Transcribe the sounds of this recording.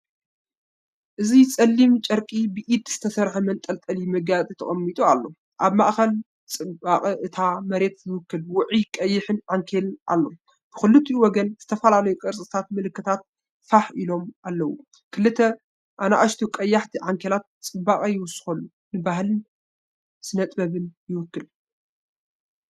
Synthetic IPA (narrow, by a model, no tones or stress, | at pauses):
ʔɨzit͡sʼɐlːimt͡ʃʼɐɾkʼibɨʔid̪z̥ɨ̥t̪ʰɐsɐɾħumɐnt̪ʼɐlt̪ʼɐlimɐɡat͡sʼit̪ʰɐ̰χʼɐmːit̪ʼualːo̞ | ʔaβmaʔxɐl | t͡sʼɨbakʼʔɨt̪ʰamɐɾe̞t̪jɪwʊkːɨlwʊʕikʼɐjːɪħɨnʕaŋkʰelʔa̰lːo̞̰ | b̥ɨxɨlːɨt̪ʰːiwɔɡɐnz̥ɨt̪ʰɐfɐlalɐjukʼɨɾsʼɨt̪ʰat̪mɨlɨkːɨt̪ʰat̪̚ | faħilo̞mʔalːɐwṵ | kʰɨlːɨt̪ʰːɐ | ʔana̰ʔaʃt̪ʰukʼɐjːaħt̪ʰiʕaŋkʰelat̪̚t͡sʼɨbakʼɐjɪwʊsɨ̥xɐlːu | nɨbaɦlɨn | sɨnɐt̪ʼbɐβɨnjɪwʊkːɨl